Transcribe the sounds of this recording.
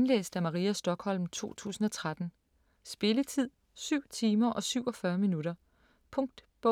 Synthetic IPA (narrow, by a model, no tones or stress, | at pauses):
enlḛːsd̥æmɑ̈ʁiːæsd̥ɒ̽ɡ̥hɒ̽l̰mt͡sʰo̝̰ːt͡sʰṵːsn̩ɒ̽t͡sʰʁad̥n̩ | sb̥e̝lət͡sʰið̰ˠ | syʊ̰t͡sʰiːmɐʔɒ̽syʊɒ̽fɶɐminuɾ̥ɐ | pʰɔ̽ŋ̚d̥b̥ɔ